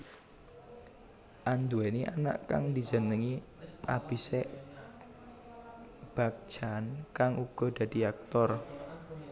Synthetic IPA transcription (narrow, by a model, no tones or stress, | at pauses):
ʔand̪uɛniʔana̰ʔka̰ŋd̪i̤zə̤nəŋi | ab̥iseʔ | b̥a̤k̚ʒ̥ankaŋuɡ̥ɔ̤d̪̥ä̤d̪̥i̤ak̚t̪ɔr